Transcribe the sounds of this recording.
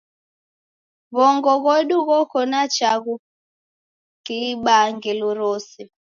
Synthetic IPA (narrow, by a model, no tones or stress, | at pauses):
βɔŋɡɔɣɔɗuɣɔkɔnat͡ʃaɣu | kiɓaŋɡɛluɾɔsɛ